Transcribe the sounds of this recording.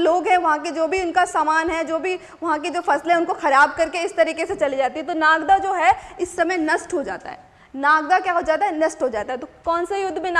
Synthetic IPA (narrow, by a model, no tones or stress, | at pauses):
loːɡɦɛʋɐɦãked͡ʒoːbʱiʊnkasaːmaːnɦɛd͡ʒoːbʱi | ʋɐɦãked͡ʒoːfɐslɦɛ̃ʊnkoxɐɾaːb̚kɐɾkeɪst̪ɐɾiːkeset͡ʃɐlid͡ʒaːt̪iɦɛt̪onaːɡd̪ad͡ʒoːɦɛɪsːɐmɛjnɐsʈɦod͡ʒa̰ːt̪a̰ɦɛ̰ː | naːɡd̪akjaːɦod͡ʒaːt̪aɦɛnɐsʈɦod͡ʒaːt̪aɦɛt̪okɔːnsejʊd̪ʱːmẽn